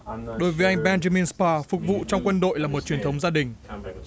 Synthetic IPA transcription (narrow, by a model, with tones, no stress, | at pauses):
ɗo˨˦jvəː˨˦jʔa˧jŋ̟ɓɛ˧nza˧mi˧nspaː˧fʊ˨˩k̚vṵ˧˨t͡ɕɔ˧wŋ͡mkwə˧nɗo̰˧˨jlaː˨˩mo˨˩t̚t͡ɕi˨˩ənt̪ʰə˨˦wŋ͡mzaː˧ɗï˨˩ŋ̟